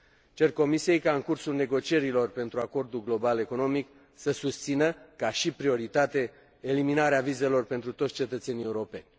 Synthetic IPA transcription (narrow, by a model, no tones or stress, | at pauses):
t͡ʃe̞rko̞misije̞jkaɨŋkursulne̞ɡo̞t͡ʃije̞ɾilo̞rpe̞nt̪ɾuako̞rd̪ulɡlo̞bale̞ko̞no̞mik | səsust̪sinəkaʃipɾio̞ɾit̪at̪e̞ː | liminaɾeavize̞lo̞rpe̞nt̪ɾut̪otsʲt͡ʃe̞t̪ət̪se̞nie̞uɾo̞pe̞̰nʲ